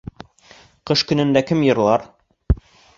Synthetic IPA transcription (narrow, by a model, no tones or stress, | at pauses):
qɤʃkɵ̆nɘ̆nd̪ækɘmjɤ̆ɾlˠɑɾ